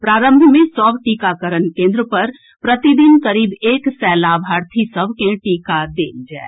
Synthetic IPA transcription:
pɾaːɾə̃mbʱmẽsɔːbʈiːkakəɾənkẽːnd̪ɾəpɐɾ | pɾət̪id̪inkəɾiːbeːksɛːlabʱaːɾt̪ʰisəbʱkẽʈiːkad̪ḛːnd͡ʒɛ̰ː

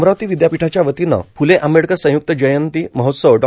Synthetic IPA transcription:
mɾaʋt̪iːʋid̪japiʈʰat͡ɕjaʋət̪ina̰pʰuleʔameɽkəsə̃juk̚t̪əd͡ʑəjənt̪iːməɦot̪səʋɖ

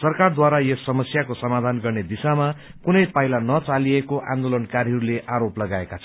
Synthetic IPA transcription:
sʌrkard̪waɾajesːʌmʌsjakosʌmad̪ʱanɡʌrned̪isamakunʌjpailanʌt͡saliekoʔã̰nd̪olʌnkaɾjɦʌɾuleʔaɾoplʌɡaekat͡sʰʌ

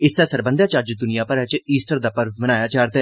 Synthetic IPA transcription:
ɪsɛːsəɾbənd̪aːt͡ʃad͡ʒd̪ʊnijaːpəɾɛːt͡ʃiːsʈəɾd̪aːpəɾmənaːjaːt͡ʃaːɾt̪e

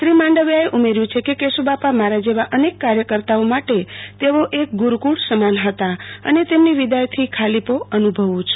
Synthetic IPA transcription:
sɾimãɳɖəʋaeʔumeɾjũt͡ʃʰekekesubapamaɾad͡ʒeʋaʔənekːaɾjəkəɾt̪aomaʈet̪eʋoʔek̚ɡuɾkuɽsəmanɦət̪aə̰net̪emniʋid̪ajt̪ʰikʰalipoənubʱəʋũt͡ʃʰ

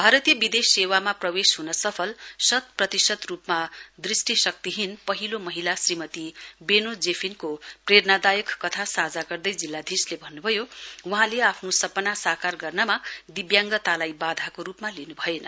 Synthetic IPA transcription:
bʱaɾʌt̪ijʌbid̪esewamaprʌwesɦunʌsʌpʰʌlsʌt̪̚prʌt̪isʌd̪rupmad̪risʈisʌk̚t̪iɦinpʌɦilomʌɦilasrimʌt̪ibenod͡zepʰinkoprernad̪ajʌkːʌt̪ʰasad͡zaɡʌrd̪ʌjd͡zilːad̪ʱislebʱʌnːubʱʌjowuɦãleapʰnosʌpʌnasakarɡʌrnʌmad̪ibjaŋɡʌt̪alajbad̪ʱakoɾupmalinubʱʌjenʌ

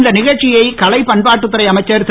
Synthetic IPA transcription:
nd̪ɐnɪɣɐɭt͡ʃːɪjɐɪkɐlɐɪpɐɳbaːʈ̬ːɯt̪ːɐɾɐɪɐmɐɪt͡ʃːɐɾt̪

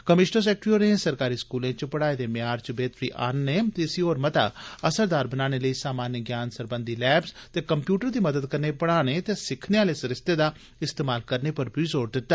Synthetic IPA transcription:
kəmɪʃnəɾs̬ɛːk̚ʈɾioːnẽːsəɾkaːɾiːskuːlẽːt͡ʃəpəɽaːeːd̪eːmeaːɾt͡ʃbeːt̪ɾiːʔa̰ːnːeːt̪eːsioːɾmət̪a̰ːəsəɾd̪aːɾbənaːñeːləiːsaːmaːnjəɡjaːnsəɾbənd̪iːlɛːbzt̪eːkəmpjuːʈəɾd̪iːməd̪əd̪kəɾneːpəɽaːneːt̪eːsɪkʰneːaːleːsəɾɪst̪eːd̪aː | ɪst̪eːmaːlkəɾneːpəɾpiːzoːɾd̪ɪt̪ːaː

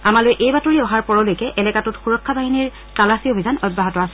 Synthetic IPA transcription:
amalojʔejbatoɹiɔɦaɹpɔɹɔlojkɛʔɛlɛkatutxuɹɔkʰːabaɦiniɹ | talasiobʱizanɔj̚baɦɔtɔasɛ

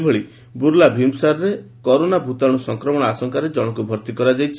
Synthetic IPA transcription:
bɔɭi | buɾlabʱimsaɾɔɾekɔɾonabʱut̪aɽ̃ɔsɔŋkɾɔmɔɽɔasɔŋkaɾed͡ʒɔɽ̃ɔkubʱɔɾt̪ikɔɾad͡ʒajt͡ʃʰi

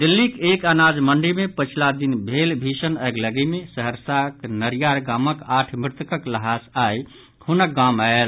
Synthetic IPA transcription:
d̪ilːikekanad͡ʒməɳɖimepət͡ʃʰlad̪inbʱelbʱisənəɡləɡimesəɦəɾsaknəɾijaɾɡaməkaʈʰmɾɪt̪əkəkləɦasaj | hunək̚ɡamael

